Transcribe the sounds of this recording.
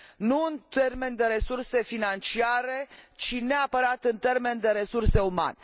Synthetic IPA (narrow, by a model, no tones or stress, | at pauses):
nuɨnt̪e̞rme̞nd̪e̞ɾe̞surse̞finant͡ʃiaɾe̞t͡ʃine̞apəɾat̪ɨnt̪e̞rme̞nd̪e̞ɾe̞surse̞uma̰ne